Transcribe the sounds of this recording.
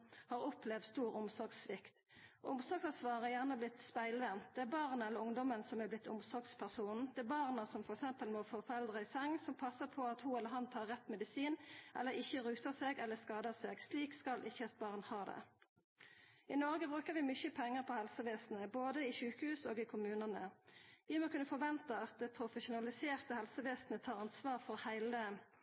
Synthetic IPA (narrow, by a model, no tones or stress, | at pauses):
hɑːʁɔplɛʋd̪st̪uːʁʊmsɔʁɡsʋɪkt̪ | ʔʊmsɔɡsɑsʋɑːʁəjæʁnəblɪt̪spæɪlʋɛnt̪̚d̪ɛæːbɑʁnɛləɾʊŋd̪ɔmənsɔmæblɪt̪ʰːʊ̰msɔʁɡspʰæʁsuːnn̩d̪ɛæbɑʁnɑsɔmfɔʁɛksɛmpəlmɔːfoːfɔʁɛld̪ʁəɪsɛŋsɔmpʰɑsːəpʰɔɑt̪huːɛlːəʁɦɑnt̪ʰɑːʁːɛt̪ːmɛd̪ɪsiːnʔɛ̰lːəɾɪçːəʁʉːsəseːɡɛlːəskɑːd̪əseːɡsliːkskɑlʔɪçːəɑt̪̚bɑʁnhɑːd̪ɛ̰ | ɪnɔʁɡəbʁʉːkəʁʋɪmʏçəpʰɛŋːəʁpʰɔhɛlsəʋeːsn̩əboːd̪əɪʃʉːkəhʉːsoːɡɪkʰʊmʉːnənəʋɪmokʉnːəfɔʁʋɛnt̪ɑɑt̪̚d̪ɛpʰɾʊfəʃʊnɑlɪseːʁt̪əhɛlsəʋeːsn̩ət̪ʰɑːʁɑnsʋɑːʁfɔɾhæɪlə